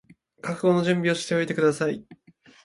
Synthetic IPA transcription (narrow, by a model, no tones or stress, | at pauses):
kakɯ̟ɡo̞no̞ʑɨ̃mbʲio̞ɕi̥t̪e̞o̞it̪e̞kɯ̟d̪asai